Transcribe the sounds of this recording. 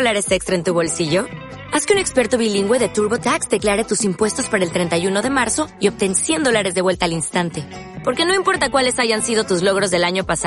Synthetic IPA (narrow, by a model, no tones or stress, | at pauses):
laɾe̞sekst̪ɾaent̪uβ̞o̞lsiʝo̞ | askeune̞kspe̞ɾt̪o̞βiliŋɡwe̞ðe̞t̪uɾβo̞t̪aksd̪e̞klaɾe̞t̪usimpwe̞st̪o̞spaɾaelt̪ɾe̞nt̪ajuno̞ð̞e̞maɾso̞io̞p̚t̪e̞nsjend̪olaɾe̞zðe̞βwe̞lt̪aːlinst̪ant̪e̞ | po̞ɾke̞no̞impo̞ɾt̪akwale̞saʝansið̞o̞t̪uzlo̞ɣ̞ɾo̞zðe̞laɲo̞pasa